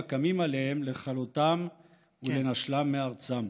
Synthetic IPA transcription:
kamimalehemle̞χalut̪am | ule̞naʃlamːeaʁt͡sam

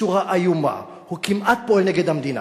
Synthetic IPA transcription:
uʁaʔajuma̰ | hukimʔat̪̚poelneɡed̪hamd̪ina̰

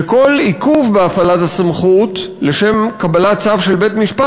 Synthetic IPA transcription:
eko̞likuvbeafalathasamχut | le̞ʃe̞mkabalat͡savʃe̞lbe̞tmiʃpa

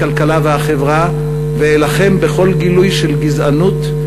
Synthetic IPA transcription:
alkalavehaχevʁa | veelaχe̞mbeχo̞lɡilujʃelɡizanut̪

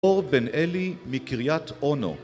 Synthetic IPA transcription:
oʁbenʔelimikiʁjat̪ʔono̰

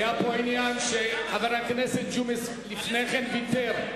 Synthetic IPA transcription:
japoinjanʃehavaɾakneset̚d͡ʒumes | lifneχenbit̪eɾ

